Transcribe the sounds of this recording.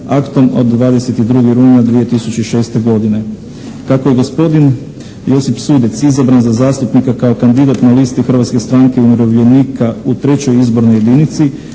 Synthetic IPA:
akt̪o̞mo̞̰d̪ːʋaːd̪e̞se̞t̪id̪ɾuːɡiɾuːɲad̪ʋije̞t̪isut͡ɕeiʃe̞ːst̪e̞ɡo̞d̪ine̞ | kakoje̞ɡo̞spo̞d̪in | jo̞sipsuːd̪et̪sizabɾanzazaːst̪upnikakao̞kand̪id̪at̪naliːst̪ixɾʋat̪ske̞st̪ɾaŋkeumiɾoʋʎe̞niːkaut̪ɾe̞t͡ɕo̞jizbo̞ɾno̞je̞d̪init̪si

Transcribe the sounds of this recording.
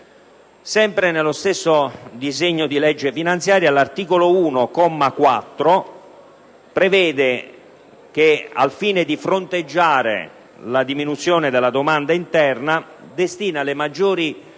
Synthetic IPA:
sɛmpɾenelːost̪esːod̪izeɲːod̪ilɛd͡ʒːefinant̪sjaːɾjalart̪iːkolouːnokɔmːakwat̪ːɾo | pɾevɛːd̪e | k̟ea̰lfiːned̪ifɾont̪ed͡ʒːaːɾḛ | lad̪iminut̪sːjoːned̪ɪlːad̪omand̪aint̪ɛrnad̪est̪iːnalemad͡ʒːoːɾi

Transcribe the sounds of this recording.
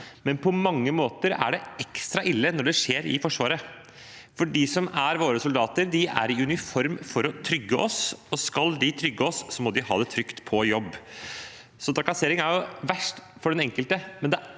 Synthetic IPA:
mɛnpʰɔmɑŋːəmoːt̪əɾæ̰ɖɛɛkst̪ɾɑʔɪlːənɔɖɛʂeːɾɪ̰fɔʂʋɑːɾə | fɔɖɪsɔmæɾʋoːɾəsʊld̪ɑːt̪əɾd̪ɪæ̰ɾɪʉnɪfɔɾmfɔɾɔt̪ʰɾʏɡːəʔɔsɔskɑld̪ɪt̪ʰɾʏɡːəɔsːɔmɔd̪ɪhɑ̰ːd̪ɛt̪ʰɾʏkt̪pʰɔjɔbː | sɔd̪ɑkɑseːɾɪŋæɾjʊʋæʂʈfɔɖɛnɛŋkəlt̪əmɛnd̪ɛ

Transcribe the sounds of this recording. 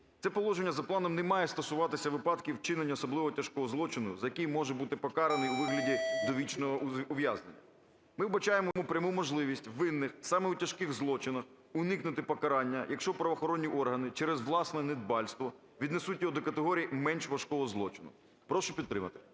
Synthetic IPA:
t̪sɛpɔlˠɔʒenʲːɐzɐplˠɑnɔmnɛmɑjɛst̪ɔsʊʋɑt̪ɪsʲɐʋɪpɑd̪kʲiwt͡ʃɪnenʲːɐɔsɔblˠɪʋɔɔtʲɐʃkɔɦɔzlˠɔt͡ʃɪnʊzɐjɐkijmɔʒɛbut̪ɪpɔkɑɾenɪjuʋɪɦlʲɐdʲid̪ɔʋʲit͡ʃnɔɦɔɔʋʲjaznḛnʲːɐ̰ | mɪwbɐt͡ʃajemɔmɔpɾʲɐmumɔʒlˠɪʋʲisʲtʲʋɪnːɪxsɑmɛutʲɐʃkɪɣzlˠɔt͡ʃɪnɐx | ʊnɪknʊt̪ɪpɔkɐɾɑnʲːɐjʔɐkʃt͡ʃɔpɾɐʋɐxɔɾɔnʲːiʔɔrɦɐnɪt͡ʃɛɾɛzʋlˠɑsnɛnɪd̪̚bɑlʲst̪ʋɔ | ʋʲid̪nesutʲjɔɦɔd̪ɔkɐt̪eɦɔɾʲijimɛnʃʋɐʃkɔɦɔzlˠɔt͡ʃɪnʊ̰ | pɾɔʃʊpʲid̪t̪ːɾɪmɐt̪ɪ̥

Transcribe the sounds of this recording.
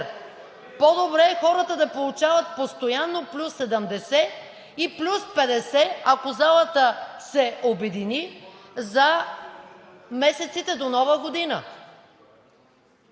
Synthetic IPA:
pod̪obɾɛːxɔɾət̪əd̪ɐpolˠut͡ʃavət̪̚post̪ojanːoplʲusːɛd̪əmd̪ɛsɛ | iplʲuspɛd̪ɛsɛakozalˠət̪əsɛobɛd̪inizɐ | mɛsɛt̪sit̪ɛd̪onɔvəɡod̪inə

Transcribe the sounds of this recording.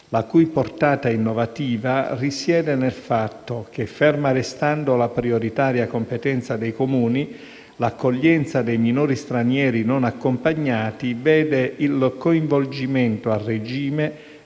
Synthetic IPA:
lakujport̪aːt̪ainːovat̪iːvarisjɛːd̪enelfat̪ːok̟efɛrmaɾest̪and̪olapɾioɾit̪aːɾjakompet̪ɛnt̪sad̪ɛjkomuːni | lakːoʎːɛnt̪sad̪ejminoːɾist̪ɾanjɛːɾinonakːompaɲːaːt̪ivɛːd̪eilkoiɱvold͡ʒimɛnt̪oarːed͡ʒiːme

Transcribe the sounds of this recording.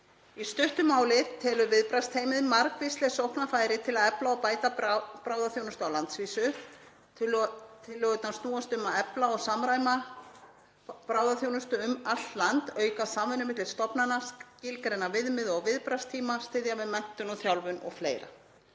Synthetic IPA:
ist̪ʏht̪ʏmaːwlɪt̪ʰɛːlʏvɪðpɾast̪ʰeːjmɪðmaɾkvɪst̪lɛsowhpnafaːjɾɪt̪ʰɪlaðɛplaɔwpaːjt̪apɾaːwðaθjownʏst̪ʏawlant̪sviːsʏ | t̪ʰɪlːœɣʏt̪nast̪uːast̪ʏmaɛplaɔɣsamɾaːjma | pɾaːwðaθjownʏst̪ʏʏmal̥t̪lant̪œːɥkasaːmvɪnːʏmɪht̪ɪlst̪ɔpnanascɪlkɾɛnːavɪðmɪðɔɣvɪðpɾast̪ʰiːmast̪ɪðjamɪðmɛn̥t̪ʏnɔθjawlvʏnɔ̰ɣfleːjɾa̰

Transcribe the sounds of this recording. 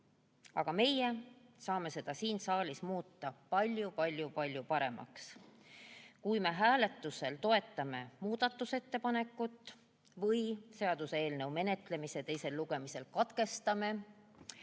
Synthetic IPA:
ɑ̰ɡ̥ɑme̞jesɑːme̞se̞d̪̥ɑsiːnsɑːlʲismuːt̪ːɑpɑlʲjupɑlʲjupɑlʲjupɑɾe̞mɑ̰ks | kujme̞ɦæːle̞t̪ːˑuse̞lt̪o̞e̞t̪ˑːɑme̞muːd̪̥ɑt̪ːˑuse̞t̪ːe̞pɑne̞kːˑut̪ːˑ | vɤjse̞ɑd̪̥use̞ːlnɤwme̞ne̞t̪le̞mise̞t̪e̞jse̞lːuɡ̥e̞mise̞lkɑt̪ke̞st̪ɑme̞

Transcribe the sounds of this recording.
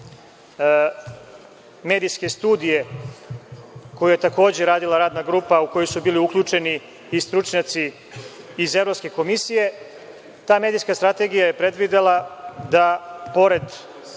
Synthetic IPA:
me̞ːd̪ijske̞st̪uːd̪ije̞ | kojuje̞t̪ako̞ːd͡ʑeɾaːd̪ilˠaɾaːd̪naɡɾuːpauko̞josubiːliukʎʲut͡ʃe̞niː | st̪ɾut͡ʃɲat̪siː | ze̞vɾo̞pske̞ko̞misije̞ | t̪aːme̞ːd̪ijskast̪ɾat̪e̞ɡijaje̞pɾe̞d̪ʋid̪elˠad̪apo̞ɾe̞d̪

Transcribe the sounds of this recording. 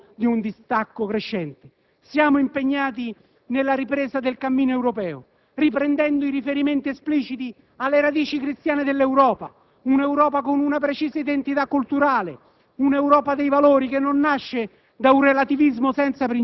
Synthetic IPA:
d̪iund̪ist̪akːʊkɾeʃːɛnt̪ɪ | sjaːmʊimpeɲːaːt̪̬i | nelːaɾipɾeːsad̪elkamːiːnoɛwɾopɛːʊ̰ | ripɾɛnd̪ɛnd̪ʊiɾifeɾiment̪iɛspliːt͡ʃit̪i | alːeɾad̪iːt͡ʃikɾist̪jaːned̪elːɛwɾɔːpa̰ | unɛwɾɔːpakʊnunap̬ɾet͡ʃiːsaid̪ent̪it̪akːult̪uɾaːlḛ | unɛwɾɔːpad̪ejvaloːɾikenːonːaʃːe | d̪aunrelat̪ivizmʊsɛnt̪sapɾin

